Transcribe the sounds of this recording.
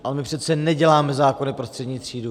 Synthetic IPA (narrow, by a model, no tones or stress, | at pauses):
ʔalɛmɪpr̝̥ɛt̪st͡sɛnɛɟɛlaːmɛzaːko̞nɪpɾost̪r̥ɛdɲiːt̪r̝̥iːdu